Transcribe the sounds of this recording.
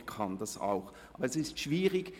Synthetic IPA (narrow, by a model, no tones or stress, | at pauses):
kʰɑndɑsa̰ʊx | ʔɑːbɐɛsɪstʃv̥iːʁɪɡ